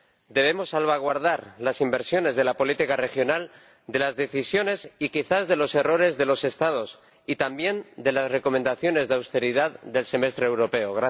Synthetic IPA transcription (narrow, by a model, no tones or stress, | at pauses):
d̪e̞βe̞mo̞sːalβ̞aɣ̞waɾð̞aɾlasimbe̞ɾsjo̞ne̞zðe̞lapo̞lit̪ikare̞xjo̞nal | d̪e̞lazðe̞θisjo̞ne̞sikiθazðe̞lo̞se̞ro̞ɾe̞zðe̞lo̞se̞st̪að̞o̞s | it̪ambje̞nd̪e̞lasre̞ko̞mẽnd̪aθjo̞ne̞zðawst̪e̞ɾiðaððe̞lse̞me̞st̪ɾeewɾo̞pe̞oɣɾa